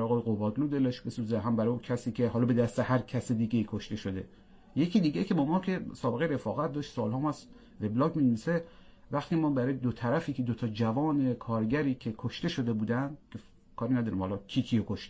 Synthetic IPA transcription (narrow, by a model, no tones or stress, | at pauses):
ɾːɣɔːjeɣobɒːd̪luːd̪eleʃbesuːzeɦæmbæɾɔukʰæsiːcʲʰe̞hɒːlɒːbe̞d̪æst̪ehæɾkʰæsed̪iɡeiːkʰoʃt̪e̞ʃod̪e̞̰ | je̞kʲʰiːd̪iːɡecʰebɒmɒːkʲʰe̞sɒːbeɣejɾe̞fɒːɣæt̪̚d̪ɒːʃt̪sɒːlhɒːmɔs | veblɒkmineviːse | væxt̪imɒːbæɾɒːjed̪ot̪ʰæɾæfiːkʰed̪ot̪ʰɒːd͡ʒævɒːne̞kʰɒːɾɟæɾiːkʰekʰoʃt̪e̞ʃod̪e̞buːd̪ænd̪kʲʰe | kʰɒːɾinæd̪ɒːɾiːmhɒːlɒcʲʰiːkʰiokʰoʃt̪e